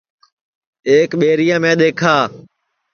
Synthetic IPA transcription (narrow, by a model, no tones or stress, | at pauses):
eːkɓeːɾɪjãːmẽːɗ̪eːkʰaː